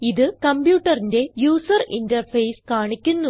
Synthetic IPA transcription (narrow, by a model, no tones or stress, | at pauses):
iðɨkɐmbjuːʈːɐrinde̞juːsɐrindɐrfɐjskaːɳikʲːunːu